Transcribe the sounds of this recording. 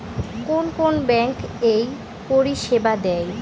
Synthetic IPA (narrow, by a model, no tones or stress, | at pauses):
konkonbɛŋkej | poɾiʃebad̪ɛj